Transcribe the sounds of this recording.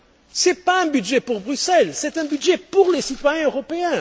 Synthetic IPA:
sɛpaɛ̃byd̪ʒɛpuʁbʁysɛlsɛt̪ɛ̃byd̪ʒepuʁlesit̪wajɛ̃øʁɔpeɛ̃

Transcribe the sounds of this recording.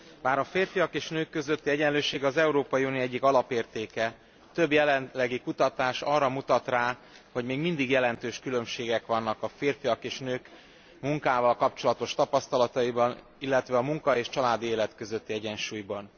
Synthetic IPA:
baːɾɒfeːrfijɒkeːʃnøːkːø̞zøt̪ːiɛɟɛløːʃeːɡɒzɛuɾoːpɒjiunioɛɟːikɒlɒpeːrt̪eːkɛ | t̪ø̞bjɛlɛnlɛɡikut̪ɒt̪aːʃɒːrɒmut̪ɒt̪raːho̞ɟmeːɡmind̪iɡjɛlɛn̪t̪øːʃkylø̞mʃeːɡɛkʋɒnːɒkɒfeːrfijɒkeːʃnøːk | muŋkaːvɒlkɒp̚t͡ʃo̞lɒt̪o̞ʃt̪ɒpɒst̪ɒlɒt̪ɒibɒn | ilːɛt̪ʋɛɒmuŋkɒeːʃt͡ʃɒlaːd̪ieːlɛt̪kø̞zøt̪ːiɛɟɛnʃuːjbɒn

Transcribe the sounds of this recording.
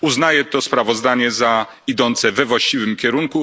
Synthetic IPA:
uznajɛt̪ɔspɾavɔzd̪aɲɛza | id̪ɔnt̪sɛvɛvwaɕt͡ɕivɘmkʲɛɾuŋku

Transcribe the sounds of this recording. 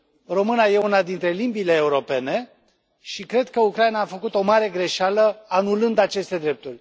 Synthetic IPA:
ro̞mɨnaje̞unad̪int̪ɾe̞limbile̞ːuɾo̞pe̞ne̞ | ʃikɾe̞d̪kəukɾajnaːfəkut̪o̞maɾe̞ɡɾe̞ʃaləanulɨnd̪at͡ʃe̞st̪e̞d̪ɾe̞p̚t̪urʲ

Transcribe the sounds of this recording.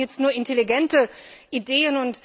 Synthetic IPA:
jɛt͡stnuːɐʔɪnteliɡɛntəʔideːənʊnt

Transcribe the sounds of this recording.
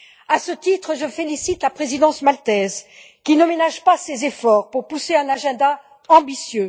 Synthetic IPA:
asət̪it̪χəʒəfelisit̪lapχezid̪ɑ̃smalt̪ɛz | kʲinəmenaʒpasezefɔʁpuʁpuseɛ̃naʒɛ̃d̪a | ɑ̃bisjø

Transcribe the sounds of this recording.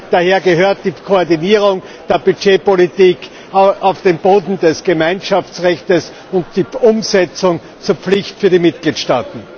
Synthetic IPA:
d̥aheːɐɡəɦøːɐt̚d̥iːkʰoɔɐdiniːʁ̞ʊŋ | d̥eːɐbyt͡ʃeːpolitiːk | ʔaʊfd̥eːnboːdn̩dɛsɡ̥əmaɪnʃaft͡sʁɛçtəs | ʊnt̚d̥iːʔʊmzɛt͡sʊŋ | t͡suːɐpp͡flɪçtfyːɐɾiːmɪt̚ɡ̥liːtʃtaːtn̩

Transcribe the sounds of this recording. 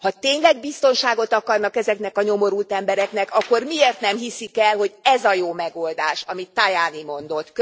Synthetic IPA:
hɒt̪eːɲlɛɡbist̪o̞nʃaːɡo̞t̪ɒkɒrnɒkɛzɛkn̪ɛkɒɲo̞mo̞ɾult̪ɛmbɛɾɛknɛkɒkːo̞rmieːrt̪nɛmɦisikɛlho̞ɟɛzɒjoːmɛɡo̞ld̪aːʃɒmit̪ːajaːnimo̞nd̪o̞t̪ːk

